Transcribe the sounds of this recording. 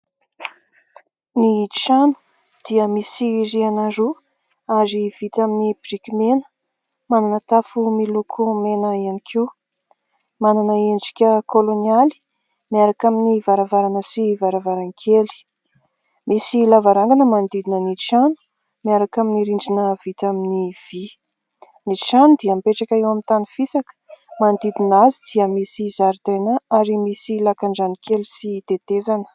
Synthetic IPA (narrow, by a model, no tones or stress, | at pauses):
nit͡ʃanu̥ | d̪̥iəmisirianaɾu | aɾiv̥it̪aminibrikʲimenə̥ | mananət̪afumilukʰumenəianikʰiw | mananəeɳɖ͡ʐi̥kʲəkʰoloniali̥ | miaɾakaminivaɾavaɾanəsivaɾavaɾaŋkʰeli̥ | misilavaɾaŋɡanəmand̪id̪inəniʈ͡ʂanu̥ | miaɾakaminiɾiɳɖ͡ʐinəvit̪aminiv̥i | nit͡ʃanud̪iampeʈ͡ʂakʲaewamint̪anifisakə̥mand̪id̪inazid̪̥iəmisizaɾt̪enaaɾimisilakaɳɖ͡ʐanikelisit̪et̪ezanə̥